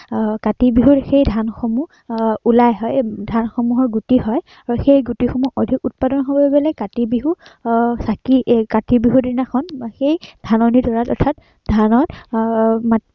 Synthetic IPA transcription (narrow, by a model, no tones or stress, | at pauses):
katibiɦuɹxejdʱanxɔmu | ulajɦɔjdʱanxɔmuɦɔɹɡutiɦɔj | aɹuxejɡutixɔmuʔodʱikut̚padɔnɦobɔebɛlakatibiɦusakikatibiɦudinakʰɔnxejd̥ʱanɔnitɔɹatɔɹtʰat | dʱanɔt | ma